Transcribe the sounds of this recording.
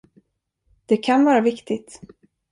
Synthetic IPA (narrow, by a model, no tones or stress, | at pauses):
d̪̥ɛkʰanvɑːɾavɪkt̪ɪt̪